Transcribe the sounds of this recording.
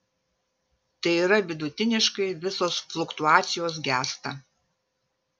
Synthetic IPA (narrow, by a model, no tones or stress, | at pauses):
t̪ɐɪiːɾɐʋʲɪd̪ʊt̪ʲɪnʲɪʃkɐɪʋʲɪsoːsflˠʊkt̪ʊɑːt̪sʲɪjoːs̬ɡʲæːst̪ɐ